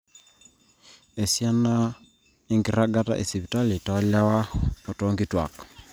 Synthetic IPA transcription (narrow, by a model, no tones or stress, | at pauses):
esjana | eŋɡiɾaɡata̰ʔesiβitalitaalawakotoːŋɡitwa̰kḁ